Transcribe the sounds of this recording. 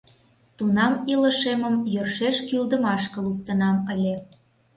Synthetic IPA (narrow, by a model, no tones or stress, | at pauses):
t̪unɑmilə̆ʃeməmjørʃeʃkyld̪əmɑʃkə̆luk̚t̪ə̆nɑməlʲe